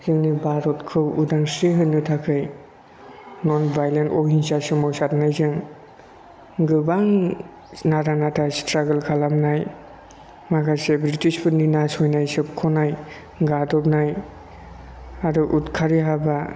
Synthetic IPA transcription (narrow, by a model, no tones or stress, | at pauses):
zɯŋnibaɾɔtkʰɯwudaŋsɾeɦɯnːɯtʰakʰɯj | nɔnbajlentɔɦinsasɯmɔwsatnajzɯŋ | ɡɯbaŋ | naɾanatʰastɾaɡɯlkʰalamnaj | maɡasebɾitispʰɯninasɔjnajsɯp̚kʰɔnaj | ɡadɔp̚naj | adɯʔutkʰaɾiɦaba